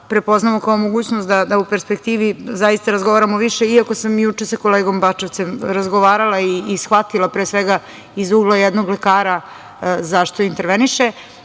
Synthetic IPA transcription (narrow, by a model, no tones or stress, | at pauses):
pɾepo̞znamokaomo̞ɡuːt͡ɕnost̪d̪ad̪aupe̞ɾspekt̪iːʋizajist̪aɾazɡo̞ʋaɾamoʋiʃeiako̞samjut͡ʂesako̞leɡo̞mbat͡ʃoʋt̪semɾazɡoʋaːɾalˠaiːsxʋat̪ilapɾeːsʋeɡa | izuɡlˠajed̪noɡlekaːɾa | zaʃt̪oint̪eɾʋeniʃe